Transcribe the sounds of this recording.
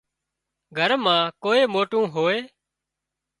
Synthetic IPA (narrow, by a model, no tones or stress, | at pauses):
ɡʱəɾmãːkoːeːmoːʈũːɦoːeː